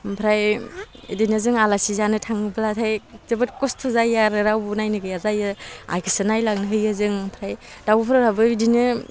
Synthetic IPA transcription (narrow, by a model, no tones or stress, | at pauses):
pʰɾaj | dinɯzɯŋalasizanɯtʰaŋɯblatʰajtɯbɯt̚kɔstʰozajaɾɯɾawbunajnɯɡɯjazajɯa̰jkʰɯ̥sɯnajlaŋnɯɦɯjazɯŋpʰɾajdawpʰɾɯɾabɯidinɯ